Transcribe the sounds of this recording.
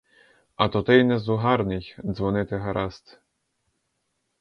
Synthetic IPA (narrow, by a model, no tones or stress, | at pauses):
ɐt̪ɔt̪ɪjnɛzuɦɑɾnɪxʲd̪zʋɔnɪt̪ɪɦɐɾʔast̪